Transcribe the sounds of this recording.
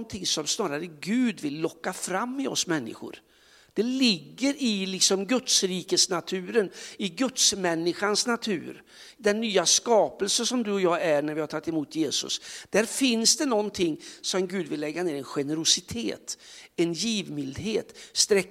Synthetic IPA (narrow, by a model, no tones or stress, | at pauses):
nt̪ʰɪŋsɔmsnɑːɾaɾəɡʉ̟ːd̪vɪlːɔkːafɾamːɪɔsmɛnːɪ̰ɧʊ̰ɾ | d̪̥ɛlɪɡːəɾɪlɪksɔmɡɵt̪sɾiːkəsnat̪ʰʉ̟ːɾənɪɡɵt̪smɛnːɪɧansnat̪ʰʉ̟̰ːɾ | d̪ɛnːyːaskɑːpəlsəsɔmd̪ɵɔjɑːæɳæɾvɪhaɾʈ̪ʰɑt̪ːɪmuːt̪ʰjeːsɵ̰sd̪̥æɾfɪnsd̪ɛnɔnt̪ʰɪŋːsɔmɡʉ̟ːd̪vɪlːɛɡːaneːɾɛnɧɛnəɾʊsɪt̪ʰḛːt̪ɛnjiːvmɪld̪ɦeːt̪st̪ɾɛ